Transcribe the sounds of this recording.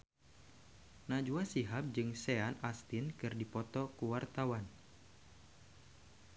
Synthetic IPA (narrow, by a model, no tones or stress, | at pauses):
nad͡ʒuasiɦap̚d͡ʒɨŋseanast̪inkɨrdipɔt̪ɔkuwart̪awan